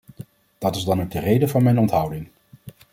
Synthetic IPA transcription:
d̥ɑtɪzdɑnowɡ̚dərejdəvɑnmɛjnɔntɦʌwdɪŋ

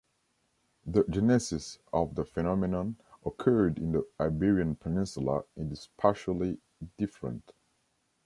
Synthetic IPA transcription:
ðəd͡ʒɛnɛsɪsɔvðəfɛnɔmɛnə̃nʔɔkʰɜ˞dɪ̃nðəaɪbiɹiə̃npʰənɪ̃nsəlˠə̰ɨ̃ndɪz̥pʰaʃəlˠi | dɪfɹə̰̃nt

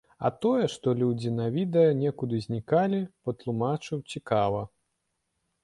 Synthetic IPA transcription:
ɐ̰t̪ɔjɛʂt̪ɔlʲud͡zʲinɐvʲid̪ɛjɐnʲɛkud̪ɨzʲnʲikalʲipɐt̪lˠumat͡ʂɨwt͡sʲikavɐ

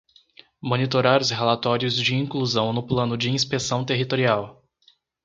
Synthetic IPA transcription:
mõnit̪oɾaɾʊshelat̪ɔɾjʊzd͡ʒɪĩŋkluzɐ̃w̃nʊplɐ̃nʊd͡ʒɪĩspesɐ̃w̃t̪eɦit̪oɾiaw

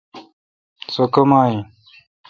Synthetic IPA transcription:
sokɐmaːĩ

